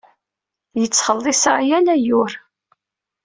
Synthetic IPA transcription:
jət͡sːχəlˤːɪsaʕjænæjʊɾ

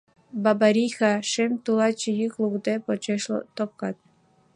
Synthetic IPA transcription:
bɑbɑɾixɑʃemt̪ulɑt͡ɕijyklukd̪epot͡ɕeʃlɤ̰t̪op̚kɑt̪̚

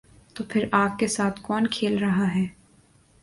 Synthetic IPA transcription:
t̪oːpʰɪɾaːp̚kesaːt̪ʰkɔːnkʰeːlɾɐɦaɦɛː

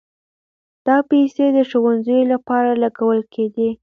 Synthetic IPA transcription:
d̪̥ɑpesed̪əʃowanzəjolapɑɾalaɡawəlkʰed̪e

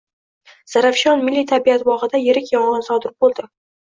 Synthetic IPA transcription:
z̥aɾafʃɒnmɪlːit̪ʰabiat̪wɒʁɨd̪ajeɾɪkʲjɒɴɑnsɒd̪ɪɾbolˠd̪ɪ

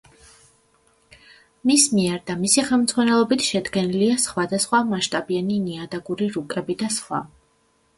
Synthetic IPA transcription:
mismiɛɾd̪amisiχɛlˠmd̪z̥ʼʁwanɛlˠɔbit̪ʰʃɛd̪ɡɛniliasχwad̪asχwamaʃt̪ʼabianiniad̪aɡuɾiɾukʼɛbid̪asχwa̰

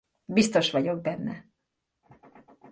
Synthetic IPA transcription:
bist̪o̞ʃʋɒɟo̞ɡ̚bɛnːɛ

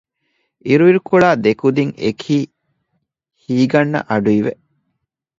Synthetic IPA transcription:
iɾuʋiɾukuɭaːd̪ekud̪iŋḛkʰiː | hiːɡɐnːɐ̰ʔɐɖuiʋḛʔ

